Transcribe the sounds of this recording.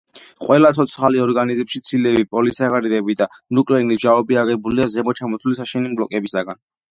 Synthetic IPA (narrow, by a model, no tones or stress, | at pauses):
qʼwɛlat̪ʰɔt̪sʰχaliɔɾɡanizmʃit̪sʰilɛvipʼɔlisaʁaɾid̪ɛbid̪anukʼlɛɾiniʒaɔbiaʁɛbuliazɛmɔt͡ʃʰamɔt̪ʰulisaʃɛnimblɔkʼɛbisaɡan